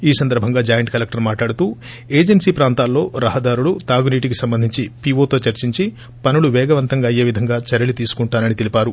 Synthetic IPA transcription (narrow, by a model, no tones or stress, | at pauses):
iːsɐnd̪ɐɾbʱɐŋɡaːd͡ʒaːjɐɳʈkɐlek̚ʈɐɾmaːʈlaːɽut̪uː | eːd͡ʒensiːpɾaːnt̪aːlːo̞ːɾɐɦɐd̪aːɾuɭut̪aːɡuniːʈikisɐmbɐnd̪ʱiɲt͡ʃipiːʋo̞ːt̪o̞ːt͡ʃɐɾt͡ʃiɲt͡ʃi | pɐnuɭuʋɛːɡɐʋɐnt̪ɐŋɡaːɐjeːʋid̪ʱɐŋɡaːt͡ʃɐɾɐlit̪iːsu̥kuɳʈaːnɐnit̪elipaːɾu